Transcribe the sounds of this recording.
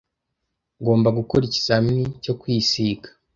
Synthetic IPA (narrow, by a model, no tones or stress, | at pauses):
ɡo̞ːmbaɡukoɾici̥saminico̞kwiːsiːɡḁ